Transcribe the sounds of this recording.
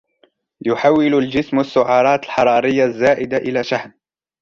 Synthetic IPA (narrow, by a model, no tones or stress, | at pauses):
jʊħawːɪlʊld͡ʒɪsmasːʊʕɑːɾˤɑːt̪alħɑɾˤɑːɾɪjːazːaːʔɪd̪aʔɪlaːʃaħn